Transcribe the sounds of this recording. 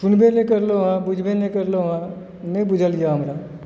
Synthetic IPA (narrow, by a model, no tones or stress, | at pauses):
sʊnbẽlekəɾloɦãbʊd͡ʒʱbenẽkəɾloɦã | nẽbʊd͡ʒʱəlijaɦɐmɾa